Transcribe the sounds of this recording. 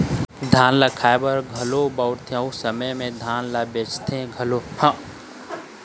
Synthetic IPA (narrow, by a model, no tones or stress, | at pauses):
d̪ʱaːnlakʰaːjbəɾɡʱɐlobawɾt̪ʰẽusəməjmẽd̪ʱaːnlabet͡ʃt̪ʰẽɡʱɐlohã